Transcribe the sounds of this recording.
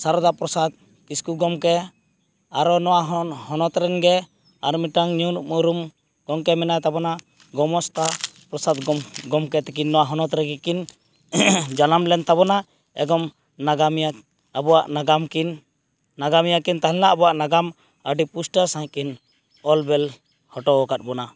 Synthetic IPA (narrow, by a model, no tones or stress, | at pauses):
saɾd̪apɾɔsad̪̚ | kiskuɡɔmkɛ | aɾɔnɔwaɦhɔnɔt̪ɾɛnɡɛ | a̰ɾmiʈaŋɲunuʔmuɾum | ɡ̥ɔŋkɛmɛnajt̪abɔna | ɡɔmɔst̪apɾɔsad̪ɡɔmɡɔmkɛt̪ɛkinːɔwaɦɔnɔt̪ɾɛɡɛkin | d͡ʒalamlɛnt̪abɔna | ɛ̰ɡɔm | naɡamja | abɔwaʔnaɡamkinː | aɡamijakint̪aɦlɛ̃laʔabɔwaʔnaɡam | əɖipusʈaɾsãjkin | ɔlbɛl | hɔʈɔwɔkat̪̚bɔna